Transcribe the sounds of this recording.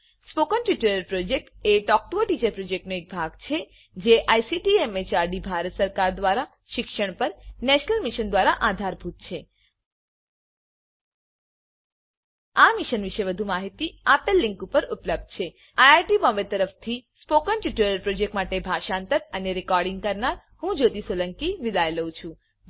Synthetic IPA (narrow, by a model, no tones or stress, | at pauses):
spokənʈuʈəɾəɾpɾod͡ʒek̚ʈeʈɔk̚ʈoʈit͡ʃəɾpɾod͡ʒek̚ʈnoek̚bʱaɡt͡ʃʰe | d͡ʒeʔajsiʈiemet͡ʃaɾɖibʱaɾət̪səɾkaɾd̪ʋaɾa | ʃɪkʃəɳ̃pəɾnɛʃnəlmiʃənd̪ʋaɾaʔad̪ʱaɾbʱut̪̚t͡ʃʰe | amiʃənʋiʃeʋəd̪ʱumaɦit̪iapəlːɪ̃ŋkupəɾupləb̚d̪̚t͡ʃʰe | ajaɾʈibɔ̃ʋet̪əɾəft̪ʰispokənʈuʈuɾəɾpɾod͡ʒek̚ʈmaʈebʱaʃãnt̪əɾəneɾikɔɾɖiŋɡ̚kəɾnaɾ | hũd͡ʒot̪isʋələŋkiʋid̪ajləũt͡ʃʰũ